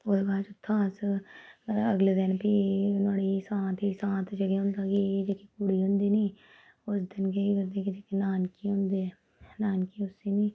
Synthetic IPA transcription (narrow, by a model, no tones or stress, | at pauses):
ʊd̪baːt͡ʃʊt̪ʰːãːs | əɡleːd̪ɪnpinaːɽisãːt̪ʰisãːt̪ʰd͡ʒəɡeɦʊ̃nd̪aːkiːd͡ʒekikʊɽiːɦʊ̃nd̪iːniː | ʊsd̪ɪnkeiɡəɾd̪eːkid͡ʒekinaːnkiɦʊ̃nd̪e | naːnkiʊseːniː